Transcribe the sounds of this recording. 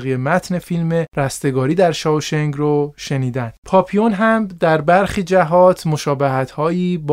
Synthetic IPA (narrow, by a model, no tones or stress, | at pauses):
ɣijemæt̪ʰne̞filme̞ɾæst̪e̞ɡɒːɾiːd̪æɾʃɒːʃeŋɡroʃe̞niːd̪æn̥pʰɒːpʰijonɦæmd̪æɾbæɾxiːd͡ʒæɦɒːt̪ʰmo̞ʃɒːbeɦæt̪hɒːjiːb